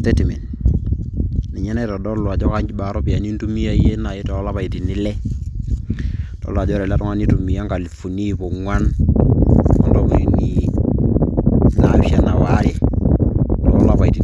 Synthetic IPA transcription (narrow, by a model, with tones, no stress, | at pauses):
te˦ti˨me˨n | ni˨ɲɛ˦nɛ˦tɔ˨dɔ˦lwa˨t͡ʃɔ˦ka˦ɲd͡ʒi˦ba˨ɾɔ˦pi˨ja˨ni˦ntu˦mi˦a˦˨˦je˦na˨je˦tɔ˨˦la˦pa˨i˨ti˨nɪ˦lɛ˦ | tɔ̰˦lwa˨d͡ʒɔ˦ɾɛ˨la˦tɔ˦ŋa˦ni˦tu˨mi˨a˦ŋɡa˨li˨fu˨ni˦po˨ŋwa˦n | ɔ˦ndɔ˦ku˨ɾi˨ni˦ | na˨ʃa˦na˨wa˦ɾe˦ | tɔ˨lɔ˦la˦pa˨iti˨